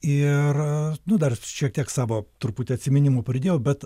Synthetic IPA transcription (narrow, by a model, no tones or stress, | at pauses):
ɪrnʊd̪ɐrʃʲiɛk̚t̪ʲiɛksɑːʋoːt̪ʊrpuːt̪ʲɪɐt̪ʲsʲɪmʲɪnʲɪmoːpɾʲɪd̪ʲeːjɛʊbʲɛt̪